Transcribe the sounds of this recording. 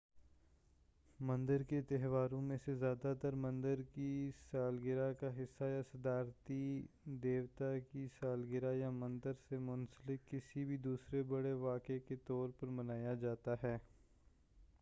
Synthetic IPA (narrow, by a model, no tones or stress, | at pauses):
mɐ̃nd̪əɾket̪ɛɦʋaːɾõmẽsezjaːd̪at̪ɐɾmɐ̃nd̪əɾkisaːlɡɪɾakaɦɪsːajasɐd̪aːɾt̪i | d̪eːʋt̪akisaːlɡɪɾajamɐ̃nd̪əɾsemʊnsəlɪkːɪsibʱid̪uːsɾebɐɽeʋaːkeket̪ɔːɾpɐɾmɐnaːjad͡ʒaːt̪aɦɛː